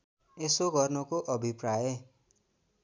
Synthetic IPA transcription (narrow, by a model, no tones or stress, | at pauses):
esoɡʱɔɾnɔkoʔɔbʱipɾaje